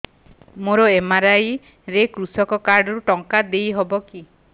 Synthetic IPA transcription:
moɾɔemaɾaj | ɾekɾusɔkɔkaɾɖɔɾuʈɔŋkad̪ejɦɔbɔki

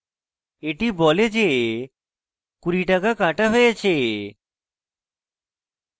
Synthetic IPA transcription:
eʈibɔled͡ʑe | kuɾiʈakakãʈaɦojet͡ɕʰe

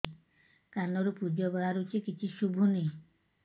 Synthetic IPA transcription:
kanɔɾupud͡ʒɔbaɦaɾut͡ʃʰikit͡ʃʰiʃubʱuni

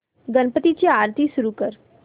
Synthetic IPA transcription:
ɡənpət̪it͡ɕiaːɾt̪isʊɾukəɾ

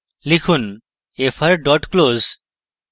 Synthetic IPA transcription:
likʰun | efʰaɾɖɔʈkloz

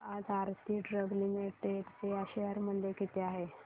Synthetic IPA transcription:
ad͡zaɾt̪iːɖɾəɡlimiʈeɖtejaɕeəɾmənd̪ekit̪eaɦe

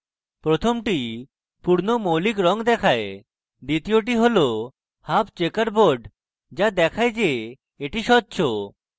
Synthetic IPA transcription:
pɾot̪ʰomʈi | puɾnomolikɾɔŋd̪ɛkʰae | ɖit̪ioʈ̬iɦolo | hapt͡ɕekaɾboɾɖ | d͡ʑad̪ɛkʰaed͡ʑe | eʈiʃɔtːɕʰo

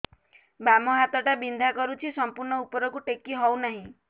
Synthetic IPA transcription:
bamɔɦat̪ɔʈabind̪ʱakɔɾut͡ʃʰisɔmpuɾɳɔupɔɾɔkuʈekːiɦɔwnaɦĩ

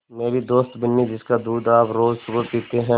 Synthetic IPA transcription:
meːɾid̪oːst̪bɪnːid͡ʒɪskad̪uːd̪aːpɾoːzsʊɡəɾpiːt̪eɦɛ̃

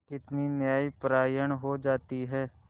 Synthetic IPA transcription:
kɪt̪niːnjaːiːpɾaːjəɳɦoːd͡ʒaːt̪iːɦɛː

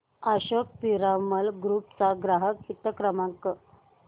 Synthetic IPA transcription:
aɕək̚piɾaməlɡɾupt͡saɡɾaɦəkit̪əkɾəmaŋkə

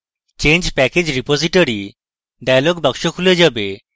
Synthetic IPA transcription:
t͡ʃẽnd͡ʒpɛked͡ʒɾipoziʈoɾi | ɖajalɔɡbakʃɔkʰuled͡ʒabe

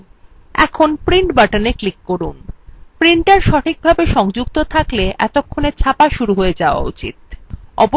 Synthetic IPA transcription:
ɛ̰kʰonpɾiɳʈbaʈaneklikːoɾunpɾiɳʈʈaɾʃɔʈʰik̚bʱabeʃɔŋd͡ʑuk̚t̪ot̪ʰakleʔɛt̪okʰːonet͡ɕʰapaʃuɾuɦoed͡ʑaoa̰ṵt͡ɕḭt̪̚ɔ̰bo

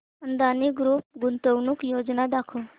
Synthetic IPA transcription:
ənd̪aniɡɾuːp̚ɡunt̪əwnukjod͡ʒnad̪akʰu

